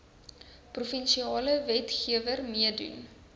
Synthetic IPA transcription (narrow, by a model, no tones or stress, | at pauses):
prufɛnʃiɑːləvɛtχiəvərmiədṵn